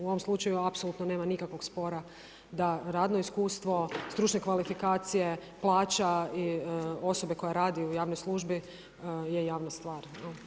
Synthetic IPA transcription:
uo̞ʋomslˠut͡ʃajuapso̞lˠut̪none̞ːmanikakʋo̞ɡspo̞ɾa | d̪aɾaːd̪no̞iskuːst̪ʋo̞st̪ɾuːt͡ʃɲekʋalifikaːt̪sije̞plˠaːt͡ʃaio̞so̞be̞ko̞jaɾaːd̪iujaːʋnojslˠuʒbi | jejaːʋnast̪ʋaːɾ | o

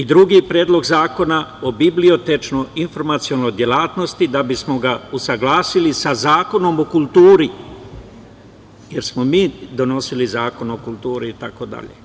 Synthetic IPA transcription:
id̪ɾuɡipɾe̞ːd̪lo̞ɡzaːko̞nao̞biblio̞t̪et͡ʃnojinfo̞ɾmat̪sionojd̪je̞laːt̪no̞st̪id̪abismo̞ɡausaɡlˠaːsilisazaːko̞no̞mo̞kulˠt̪uːɾi | jeɾsmo̞miːd̪o̞no̞silizaːko̞no̞kulˠt̪uːɾiːt̪ako̞d̪a̰ʎḛ

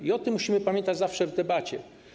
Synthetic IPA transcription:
iɔt̪ɘmːuɕimɘpamʲjɛnt̪ad͡ʑzafʂɛvd̪ɛbat͡ɕɛ

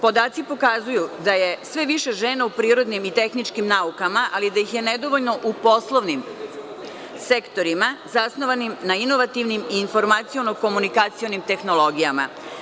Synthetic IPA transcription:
po̞d̪aːt̪sipo̞kazujud̪aje̞sʋe̞ʋiʃe̞ʒe̞ːnaupɾiːɾo̞d̪nimit̪e̞xnit͡ʃkimnaukamaʔalid̪ajixje̞ned̪o̞ʋoʎno̞ʔupo̞slˠoʋnim | se̞kt̪o̞ɾimazasno̞ʋanimnaino̞ʋat̪iʋnimiːnfo̞ɾmat̪sio̞noko̞munikat̪sio̞nimt̪e̞xno̞lˠo̞ɡijama̰

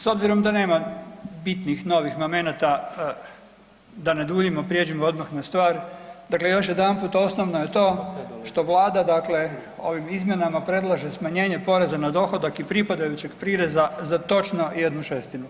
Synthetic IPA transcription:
so̞bziɾo̞md̪ane̞ːmabit̪nixno̞ʋixmome̞nat̪a | d̪ane̞d̪uːʎimopɾjed͡ʑimood̪maxnast̪ʋaːɾd̪akle̞jo̞ʃje̞d̪anpuːt̪o̞sno̞ʋnoje̞t̪o̞ːʃt̪o̞ʋlˠaːd̪ad̪akle̞o̞̰ʋimizmje̞namapɾe̞d̪lˠaʒesmaɲe̞ːɲe̞po̞ɾe̞zanad̪o̞xo̞d̪akipɾipad̪ajut͡ɕe̞ɡpɾiɾe̞zazat̪o̞t͡ʃno̞je̞d̪nuʃest̪inu

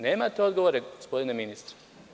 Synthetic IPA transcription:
neːmat̪eo̞d̪ɡo̞ʋoɾeospo̞d̪ineminist̪ɾe̥

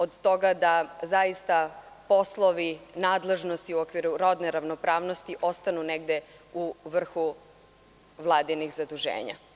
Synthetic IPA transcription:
od̪t̪o̞ɡad̪azaist̪a | po̞slˠoʋinaːd̪le̞ʒnost̪iuokʋiɾuɾo̞d̪neɾaʋnopɾaːʋno̞st̪iʔo̞st̪anuneɡd̪euʋr̩xu | ʋlˠaːd̪inixzad̪uʒḛːɲa̰

